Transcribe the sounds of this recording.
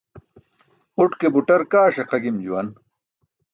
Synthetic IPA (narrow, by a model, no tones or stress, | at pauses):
uʈkebuʈɐɾkaːʂɐqɐɡimd͡ʑuwɐn